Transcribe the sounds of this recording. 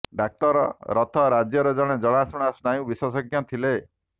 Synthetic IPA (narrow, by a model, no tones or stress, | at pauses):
ɖak̚ʈɔɾɔ̰ɾɔt̪ʰɔɾad͡ʒjɔɾɔd͡ʒɔɽ̃ed͡ʒɔɽ̃asuɽ̃asnajũbiswɔsɔɡjɔt̪ʰile